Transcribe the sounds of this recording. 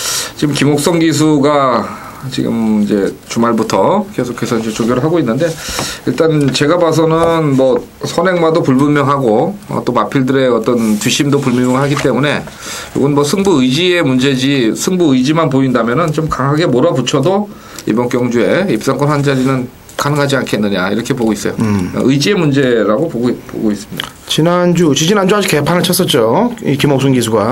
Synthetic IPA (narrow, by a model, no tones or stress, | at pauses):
t͡ɕiɡɯmkimok̚s͈ʌŋɡisʰuɡa | t͡ɕḭɡɯ̰mid͡ʑe̞̰t͡ɕumaɭbutʰʌke̞sʰokʰe̞sʰʌind͡ʑe̞t͡ɕoɡjoɾɯɭɦaɡoinːɯnde̞iɭt͈ant͡ɕe̞ɡabas̬ʰʌnɯnmʌ | sʰʌne̞ŋmadopuɭbumːjʌŋɦaɡoʌ̰t͈omapʰiɭdɯɾe̞ʌt͈ʌntɥiɕʰimdopuɭmjʌmjʌɭɦaɡit͈e̞mune̞ | jo̰ɡʌnmʌsʰɯŋbuɯjd͡ʑie̞mund͡ʑe̞d͡ʑisʰɯŋbuɯjd͡ʑimanpoindamjʌnɯnt͡ɕomkaŋɦaɡe̞moɾabut͡ɕʰʌdo | ḭbʌnk͈jʌŋd͡ʑue̞ip̚s͈aŋkwʌnwand͡ʑaɾinɯn | kanɯŋɦad͡ʑiankʰe̞nːɯɲa̰iɾʌkʰe̞poɡois͈ʌjo̰ɯid͡ʑie̞mund͡ʑe̞ɾaɡopoɡoipo̰ɡois͈ɯmɲida | t͡ɕinand͡ʑut͡ɕid͡ʑinand͡ʑuɦad͡ʑʰikepʰanɯɭt͡ɕʰas͈ʌt̚t͡ɕ͈oikimok̚s͈uŋɡisʰuɡa